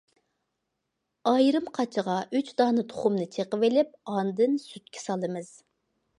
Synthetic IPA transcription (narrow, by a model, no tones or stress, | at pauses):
ɑjɾɨmqʰɑt͡ʃʰəʁɑʔyt͡ʃd̪ɑːnɨt̪ʰo̥χʊmnɨt͡ʃʰeqəvɪlɪp̚ɑnd̪ɨnsyt̪̚kʲʰɛ̥sɑlˠɨmɨz̥